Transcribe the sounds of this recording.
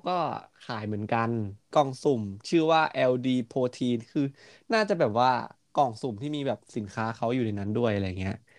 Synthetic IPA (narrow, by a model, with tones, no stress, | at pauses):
wkɔː˥˩kʰaː˩˦jmɯ˩˦ənka˧nkɔː˨˩ŋsu˨˩mt͡ɕʰɯ˥˩waː˥˩ʔɛː˧wdiː˧pʰoː˧t̪ʰiː˧nkʰɯː˧ | naː˥˩t͡ɕa˨˩bɛː˨˩p̚waː˥˩ | kɔː˨˩ŋsu˨˩mt̪ʰiː˥˩miː˧bɛː˨˩p̚si˩˦nkʰaː˦˥kʰa˦˥wjuː˨˩na˧jna˦˥ndu˥˩əjʔa˧ɾja˨˩ŋːi˦˥ɐʔ